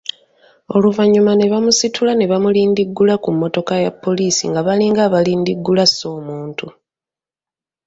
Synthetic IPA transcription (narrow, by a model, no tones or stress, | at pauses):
o̞luvaɲːumane̞βamusitʰulane̞βamuliːndiɡːulakumːo̞to̞kajapːo̞liːsḭŋɡaβaliŋɡaːβaliːndiɡːulaso̞ːmuːntu